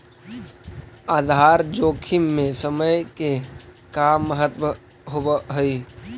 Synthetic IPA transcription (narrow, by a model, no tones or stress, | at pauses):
aːd̪ʱaːɾd͡ʒoːkʰimːẽsəməjke | kaːmːəɦət̪ʋə | ɦobəɦəi